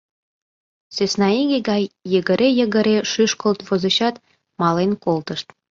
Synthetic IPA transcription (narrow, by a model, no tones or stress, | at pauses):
søsnɑiɣeɡɑjːəɣə̆ɾejə̆ɣə̆ɾeʃyʃkolt̪vozə̆ɕɑt̪ | mɑlenkolt̪əʃt̪